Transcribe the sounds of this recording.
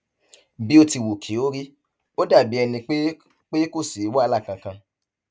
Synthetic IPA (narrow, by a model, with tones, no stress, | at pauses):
bi˦o˦ti˧wu˨kʰi˨˦o˦ɾi˦ | o˦da˦˨bi˨˦ɛ˧nĩ˧k͡pe˦ | k͡pe˦ko˦˨si˨˦wa˦˧la˦˨kã˧kã˧